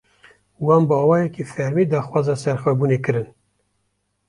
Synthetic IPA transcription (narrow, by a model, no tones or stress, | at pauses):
wɑːnbɑːwɑːjɛkifɛɾmiːd̪ɑːxwɑːzɑːsɛɾxʷɛbuːneːkɨɾɨn